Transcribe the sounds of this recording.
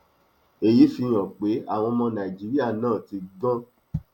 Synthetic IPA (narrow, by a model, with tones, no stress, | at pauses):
e˨ji˨˦fi˧j̃ɔ̃˨k͡pe˨˦a˦˨w̃ɔ̃˧mɔ̃˧nã˨i˨d͡ʒi˨˦ɾi˦a˦˨nãː˦˨ti˧ɡ͡bɔ̃˦